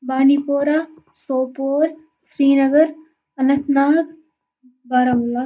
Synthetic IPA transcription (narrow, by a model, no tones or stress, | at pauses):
baːnipoːɾaː | soːpoːɾ | sɾiːnɐɡəɾ | ɐnɐ̃t̪naːd̪ | baːɾɐmula